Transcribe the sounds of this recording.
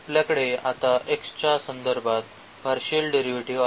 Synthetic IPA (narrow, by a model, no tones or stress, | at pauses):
pljakəɽeat̪aʔekst͡ɕasənd̪əɾbʱat̪ | paɾɕelɖeɾiʋiʈiʋa